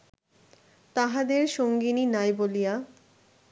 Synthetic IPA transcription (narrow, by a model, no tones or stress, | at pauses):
t̪aɦad̪eɾʃoŋɡininajbolija